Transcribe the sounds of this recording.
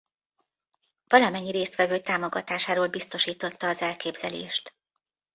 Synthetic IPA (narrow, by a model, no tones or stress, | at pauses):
v̥ɒlɒmɛɲːiɾeːst̪ʋɛvøːt̪aːmo̞ɡɒ̰t̪aːʃaːɾoːlbist̪o̞ʃiːt̪o̞t̪ːɒːzɛlkeːbz̥ɛlḛːʃt̪